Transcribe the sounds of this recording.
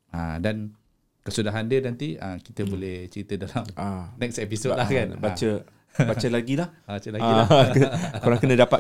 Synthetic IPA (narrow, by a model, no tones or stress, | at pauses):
ã̰dan | kəsudaɦandinant̪iəki̥t̪əbolɛht͡ʃəɾit̪ədalamanɛksɛpisolakanbat͡ʃə | bat͡ʃəlaɡilahbat͡ʃəlaɡaikəkoɾaŋkənə̃dapa